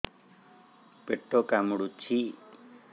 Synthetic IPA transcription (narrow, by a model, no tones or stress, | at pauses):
peʈːokamɽut͡ʃʰi